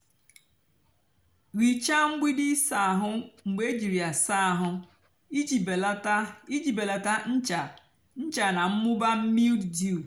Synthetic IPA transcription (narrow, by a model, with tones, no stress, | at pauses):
ɣi˨t͡ʃa˦ŋ͡m̩˦ɡ͡bi˦dɪ˦sa˨ɦʊ˦ŋ͡m̩˨ɡ͡be˦d͡ʒi˨ɾi˨a˨sa˦a˨ɦʊ˦˨˦ | i˦d͡ʒi˨be˨la˨ta˦n̩˦t͡ʃa˨ | n̩˦t͡ʃa˨na˨m̩˦mʊ˦ba˦m̩˦mi˦lddu˦˨